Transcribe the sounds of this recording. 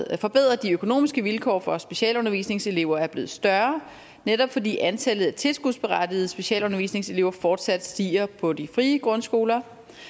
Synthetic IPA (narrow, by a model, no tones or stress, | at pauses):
fɒ̽b̥eð̞̰ˠʁɐd̥iøkʰo̝no̝̰ːmisɡ̥əʋilkʰɒ̰ːfɒ̽sb̥e̝ɕɛ̰ːlɔ̽nɐʋḭːsne̝ŋse̝le̝ʊ̰ɐæɐb̥le̝ːð̩ˠsd̥ɶɐ | neɾɒ̽b̥fɒ̽dḭːʔænt͡sʰælð̞̩ˠæt͡sʰe̝lsɡ̥uðˠsb̥e̝ʁɑd̥ið̩ˠəsb̥e̝ɕɛ̰ːlɔ̽nɐʋḭːsne̝ŋse̝le̝ʊɐfɒːd̥sæd̥sd̥ḭːɐpʰɒ̽d̥ifʁiːəɡ̥ʁɔ̽nsɡ̥o̝ːlɐ